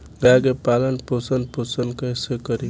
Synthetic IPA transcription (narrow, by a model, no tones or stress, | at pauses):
ɡaɡepalənposənposənkəjsekəɾi